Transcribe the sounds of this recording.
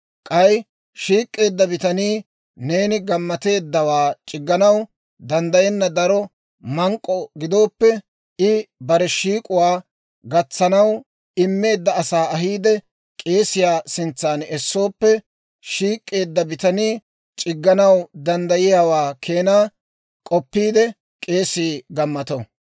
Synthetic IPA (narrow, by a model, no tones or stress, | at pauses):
kʼɐj | ʃiːkʼːe̞ːd̪ːɐbɪt̪ɐniː | ne̞ːnɪɡɐmːɐt̪e̞ːd̪ːɐwaːt͡ʃʼɪɡːɐnɐw | d̪ɐnd̪ɐjɛnːɐd̪ɐɾɔ | mɐŋkʼːɔɡɪd̪o̞ːpːɛ | ɪbɐɾɛʃiːkʼʊwaː | ɡɐt͡sːɐnɐw | ɪmːe̞ːd̪ːɐːsaːɐɦiːd̪ɛ | kʼe̞ːsɪjaːsɪnt͡sːaːnɛsːo̞ːpːɛ | ʃiːkʼːe̞ːd̪ːɐbɪt̪ɐniː | t͡ʃʼɪɡːɐnɐwd̪ɐnd̪ɐjɪjaːwaːkʰe̞ːnaː | kʼɔpːiːd̪ɛ | kʼe̞ːsiːɡɐmːɐt̪ɔ